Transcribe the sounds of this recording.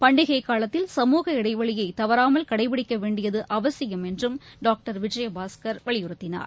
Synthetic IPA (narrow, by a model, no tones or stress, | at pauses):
pɐɳɖɪɣɐɪkːaːlɐt̪ːɪlsɐmuːɣɐɪɽɐɪʋɐɭɪjɐɪt̪ɐʋɐɾaːmɐlkɐɽɐɪpɪɽɪkːɐʋeːɳɖɪjɐðɯʔɐʋɐsɪjɐmɛndrɯmɖaːk̚ʈɐɾʋɪd͡ʒɐjɐbaːskɐɾʋɐɭɪjʊɾɯt̪ːɪna̰ːɾ